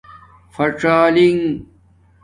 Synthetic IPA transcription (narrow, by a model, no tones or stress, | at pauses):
fɐʈ͡ʂaːliŋ